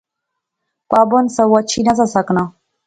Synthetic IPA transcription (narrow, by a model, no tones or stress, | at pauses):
kʷʼabonsawat͡ʃʰinazasakʼna